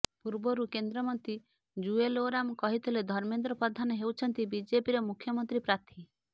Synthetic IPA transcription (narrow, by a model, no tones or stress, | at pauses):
puɾbɔɾukend̪ɾɔmɔnt̪i | d͡ʒueloɾamkɔɦit̪ʰiled̪ʱɔɾmend̪ɾɔpɾɔd̪ʱanɔɦewt͡ʃʰɔnt̪ibid͡ʒepiɾɔmukʰːjɔmɔnt̪ɾipɾat̪ʰi